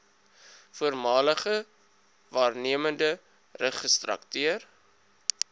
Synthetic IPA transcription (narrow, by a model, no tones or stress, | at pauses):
fuərmɑːləχə | vɑːrniəməndə | rəχəstrɐ̰ktyər